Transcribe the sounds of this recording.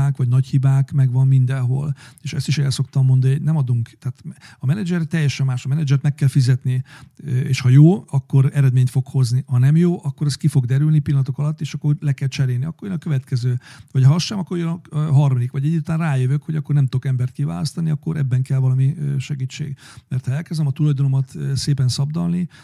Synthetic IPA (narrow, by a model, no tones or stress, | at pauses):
aːkʋɒɟnɒchibaːkmɛɡvɒmːind̪ɛnɦo̞̰leːʃɛ̰st̪iʃɛlso̞kt̪ɒmːo̞nd̪ɑnionɛmɒd̪uŋkt̪aːt̪ɒmɛnɛd͡ʒɛrt̪ːɛjːɛʃɛmːaːʃɒmɛnɛd͡ʒɛrt̪mɛkːɛlfizɛt̪niøḛːʃhɒjoːɒkːo̞ɾɛɾɛd̪meːɲt̪fo̞kho̞znihɒnɛmjoːʔɒkːo̞ɾɛskifo̞ɡd̪ɛɾylnipilːɒnt̪okɒlɒt̪ːeːʃɒkːorlɛkɛlt͡ʃɛɾeːlniɒkːojønɒkø̞vɛt̪kɛzøːʋɒchɒsʃɛmɒkːoɾjønɒɦɒrmɒd̪ikʋɒɟɛɟːuːt̪aːnraːjøvøkho̞ɟɒkːo̞rnɛmt̪o̞kɛmbɛrt̪̚kiva̰ːlɒst̪ɒniɒkːo̞ɾʔɛ̰bːɛŋkɛlvɒlɒmiøʃɛɡiːt͡ʃːḛːɡmɛrt̪hɒɛlkɛzd̪ɛmɒt̪ulɒjd̪ono̞mɒt̪seːpɛnsɒbd̪ɒ̰lni